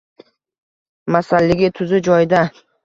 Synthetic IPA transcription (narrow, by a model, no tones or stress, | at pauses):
masalːɪɡʲɪt̪ʰʊzɪd͡ʒɒjɪd̪a